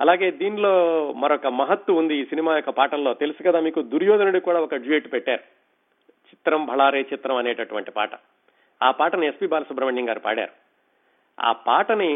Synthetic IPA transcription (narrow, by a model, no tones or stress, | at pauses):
ɐlaːɡe̞ːd̪iːnlo̞ːmɐɾɔkɐmɐɦɐt̪wɐund̪iːsinimaːjɔkːɐpaːʈɐlːo̞ːt̪e̞lusukɐd̪aːmiːkud̪uɾjoːd̪ɐnɐɽikuːɽaːɔkɐd͡ʒujeːʈpɛʈːaːɾu | t͡ʃi̥t̪ɾɐmbʱɐɭaːɾeːt͡ʃit̪ɾɐmɐneːʈɐʈuʋɐɳʈipa̰ːʈɐ̰ | aːpaːʈɐniespiːbaːlɐsubɾɐʋɐɳjɐŋɡaːɾupa̰ːɽa̰ːɾu | a̰ːpa̰ːʈɐni